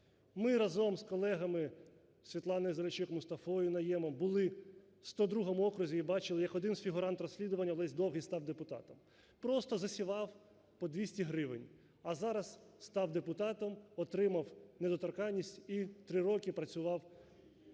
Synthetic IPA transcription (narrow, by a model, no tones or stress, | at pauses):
mɪɾɐzɔmskɔlˠɛɦɐmɪ | sʲʋʲit̪lˠɑnɐɪzɐɾʲɪt͡ʃɪkmʊst̪ɐfɔjʊnɐjɛmɐmbʊlˠɪ | st̪ɔd̪ɾuɦɔmʊɔkɾʊzʲiibɑt͡ʃɪlˠɪjɐkɔd̪ɪnzfʲiɦʊɾɑnt̪rɔsʲlʲid̪ʊʋɐnʲːɐlˠɛsʲd̪ɔwɦʲist̪ɑwd̪epʊt̪ɑ̰t̪ɐm | pɾɔst̪ɔzɐsʲiʋɑw | pɔd̪ʲʋʲisʲtʲiɦɾɪʋɪnʲ | ɐzɑɾɐsst̪ɑwd̪epʊt̪ɑt̪ɔmɔt̪ɾɪmɐwned̪ɔt̪ɐrkɑnʲːisʲtʲit̪ɾɪɾɔkʲɪpɾɐt͡sʲʊʋɑw